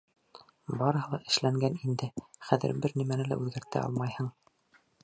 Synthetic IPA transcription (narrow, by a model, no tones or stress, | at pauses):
bɑɾɤ̆hɤ̆lˠɑʔɘ̆ʃlæŋɡænind̪ɘχæðɘ̰ɾbɘɾnimænɘlæ̰ʉðɡæɾt̪æ̰ʔɑ̰lˠmɑjhɤɴ